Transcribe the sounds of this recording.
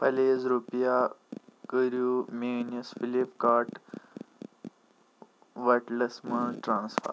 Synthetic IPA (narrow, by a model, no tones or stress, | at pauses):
pəlezɾupjakəɾjumenjəsfilipkaʈ | ʋəʈləsməɳʈɾãnsfə̰ɾ